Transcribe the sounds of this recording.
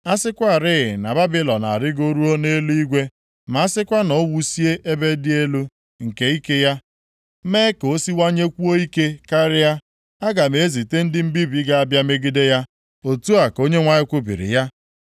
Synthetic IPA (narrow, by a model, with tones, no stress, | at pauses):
a˦sɪ˦kʷa˦˨ɾɪ˦ɣɪ˨na˨ba˦bɪ˦lɔ˨na̰˨ɾɪ˦ɡo˦ɾu˦o˦ne˦li˦ɡʷe˦ | ma˨˦a˦sɪ˦kʷa˦nɔ˦wu˦si˦e˦ʔe˦be˦dɪ˦e˦lu˦ | ŋ̩˨ke˦i˦ke˦ja˦ | meː˦ko˦si˦wa˦ɲe˦kʷu˦o˦i˦ke˦ka˦ɾɪ˦a˦ | a˦ɡa˨m˨e˨˦zi˨te˦n̩˦dɪ˦m̩˦bi˦bi˦ɡa˦a˦bja˦me˦ɡi˦de˦ja˦ | o˨tu˦a˨ko˦ɲe˦ŋʷa˦ɲɪ˦kʷʊ˦bḭ˨ɾɪ̰˨ja˦